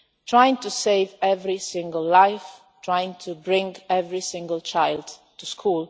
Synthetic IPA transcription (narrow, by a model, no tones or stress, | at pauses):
tʰɹajɪ̃ŋtuseɪvɛvɹisɪ̃ŋɡəlˠlːaɪf | tʰɹajɪ̃ŋtʰubɹɪ̃ŋɡɛvɹisɪ̃ŋɡəlt͡ʃaɪld | tʰuskʰulˠ